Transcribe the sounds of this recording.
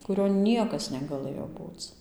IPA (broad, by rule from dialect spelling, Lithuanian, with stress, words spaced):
kʊˈrʲoːn ˈnʲiɛkɐs nʲɛɡɐˈlˠɘjoː ˈbuːt͡s